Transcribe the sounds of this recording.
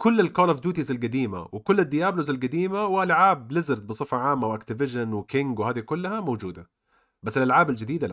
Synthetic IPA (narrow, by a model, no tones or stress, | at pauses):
kʊlːɪlkoːlafd̪uːt̪izɪlɡad̪iːma̰wɪkʊlːɪd̪ːɪjaːblʊzɪlɡad̪iːmawɪʔalʕaːblɪzɪɾt̪̚bɨsˤɨfɑʕaːmːawʔakt̪ɪvɪʒanwɪkɪŋɡwhaːd̪ikʊlːahamowd͡ʒuːd̪a | basːɪlʔalʕaːbɪld͡ʒɪd̪iːd̪al